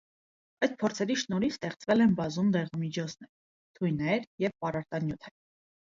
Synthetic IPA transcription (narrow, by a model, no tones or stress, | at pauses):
ɑjd̪̚pʰɔɾt͡sʰɛɾiʃnɔɾist̪ɛχt͡svɛlɛnbɑzumd̪ɛʁɑmit͡ʃʰɔt͡sʰnɛɾ | t̪ʰujnɛɾjɛvpɑrɑɾt̪ɑnjut̪ʰɛɾ